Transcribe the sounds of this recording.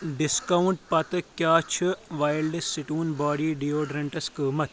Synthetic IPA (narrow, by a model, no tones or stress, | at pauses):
ɖɪskɐwʊɳʈpɐt̪kjaːt͡ʃʰɨʋaːjlɖɐsːiʈuːnbaːɽiːɖiːoːɖɾɐɳʈɐskəːmɐt̪